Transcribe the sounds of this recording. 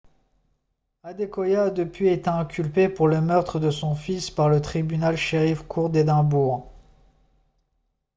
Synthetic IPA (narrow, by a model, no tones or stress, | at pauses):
ad̪ekɔjaːd̪əpɥiet̪eɛ̃kʲylpepuʁləmœʁt̪χəd̪əsɔ̃fispaʁlət̪χibynalʃeʁifkʰuʁd̪ed̪ɛ̃buːʁ